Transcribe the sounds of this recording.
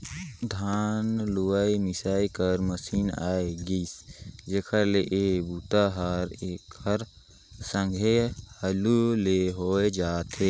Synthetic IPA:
d̪ʱaːnluʋaimɪsaːikəɾməsiːna̰ːeɡisd͡ʒeːkʰəɾleʔebut̪aɦəɾeːkʰəɾ | sə̃ŋɡʱehəluleɦoed͡ʒaːt̪ʰe

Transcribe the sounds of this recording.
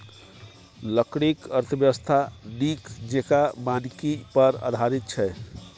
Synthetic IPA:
ləkɽikəɾt̪ʰəbjəʋəst̪ʰaɖikd͡ʒekabãnkipəɾa̰d̪ʱaɾit̪̚t͡ʃʰɛ

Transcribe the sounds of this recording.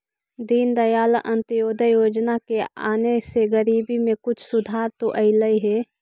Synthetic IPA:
d̪iːnd̪əjaːlʔə̃nt̪joːd̪ʱəjoːd͡ʒnakea̰ːneseɡəɾiːbimẽkʊt͡ʃʰsʊd̪ʱaːɾt̪oʔəɪləiɦɛː

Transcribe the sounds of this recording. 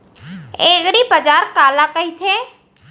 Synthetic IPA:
eːɣɾibəd͡ʒaːɾkaːlakəɦit̪ʰeː

